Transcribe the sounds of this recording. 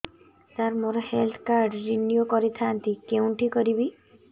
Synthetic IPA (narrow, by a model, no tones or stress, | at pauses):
t̪aɾmoɾɔhelt̪ʰkaɾɖːinjokɔɾit̪ʰaːnt̪ikeũɳʈikɔɾibi